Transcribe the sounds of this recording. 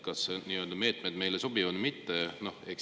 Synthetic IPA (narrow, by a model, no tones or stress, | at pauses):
kɑsniːø̞ld̪ɑme̞ːt̪ˑmed̪̥me̞jleso̞bivɑd̪mit̪ːeno̞hek